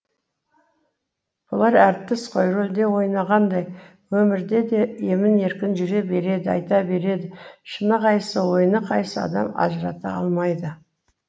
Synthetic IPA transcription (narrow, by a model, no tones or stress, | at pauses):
b̥ʊlˠɑɾæɾt̪ːɪsqʰojɾold̪e̞wo̞jnɑʁɑnd̪ɑj | wɵmɪɾd̪e̞d̪e̞e̞mɪne̞ɾkʲɪnʒʏɾe̞be̞ɾe̞d̪ɪɑ̰jt̪ɑbe̞ɾe̞d̪ɪʃənəqʰɑjəsəwo̞jənəqʰɑjsəɑ̰d̪ɑmɑ̰ʒəɾɑt̪ɑɑ̰lˠmɑjd̪ə